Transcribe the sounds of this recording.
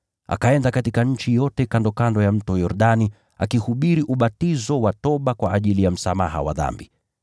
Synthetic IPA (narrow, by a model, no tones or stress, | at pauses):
ʔa̰kaɛndakatikaɲ̩t͡ʃijɔtɛkandɔkandɔjam̩tɔjɔɾɗani | a̰kihuɓiɾiʔuɓatizɔwatɔɓakwaʔːʄilijam̩sama̰ha̰wa̰ða̰mbi